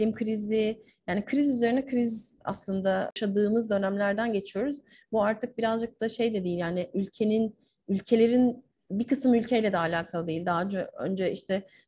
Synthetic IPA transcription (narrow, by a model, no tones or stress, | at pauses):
lʲimkʰɾizi | jaːnikʰɾizyze̞ɾinɛkɾiza̰slˠɯnd̪aʃad̪ɯːmɯzd̪ø̞næmlʲæɾd̪ænɟe̞t͡ʃʰijo̞ɾuz | buaɾt̪ʰɯk̚biɾazd͡ʒɯk̚t̪ʰaʃe̞jd̪ɛd̪ejilʲjaːnɪylʲcʰe̞nin | ylʲcʰe̞lʲe̞ɾin | bikɯsɯmylʲcʰejlʲɛd̪ɛalʲaːkʰalˠɯd̪ejilʲd̪aɦnoø̰nd͡ʒɛʔiʃt̪ʰɛ